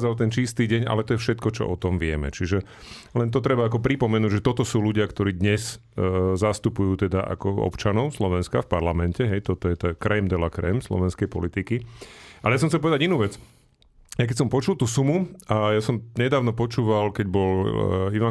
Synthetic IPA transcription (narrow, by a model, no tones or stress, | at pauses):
alt̪ɛnt͡ʃist̪iːɟɛɲa̰lɛt̪ɔjɛfʃɛt̪kɔt͡ʃɔ̰ʔɔt̪ɔmʋɪɛ̰mɛ̰t͡ʃiʒɛ | lɛnt̪̬ɔt̪ɾɛbaːkɔpɾipɔmɛnuːɟʒɛt̪ɔt̪ɔsuːluɟɪakt̪ɔɾiːd̪ɲɛs | zast̪upujuːt̪ɛd̪aʔa̰kɔɔ̰pt͡ʃanɔʊslɔʋɛnskafpaɾlamɛncɛɦɛjt̪ɔt̪ɔjɛt̪ɛkɾɛmd̪ɛlakɾɛ̰mslɔ̰ʋɛnskɛjpɔ̰lit̪ikiʔalɛjasɔmxt͡sɛlpɔʋɛd̪aɟinuːʋɛt͡s | jajk̬ɛcʲsɔmpɔt͡ʃulˠt̪uːsumuajasɔmɲɛd̪aːʊnɔpɔt͡ʃuːʋalkɛɟbɔliʋa